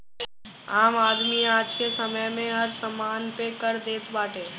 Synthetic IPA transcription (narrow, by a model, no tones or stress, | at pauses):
aːmaːd̪miaːd͡ʒkesɐməjmẽɦɐɾsɐmaːnpekɐɾd̪eːt̪baːʈẽː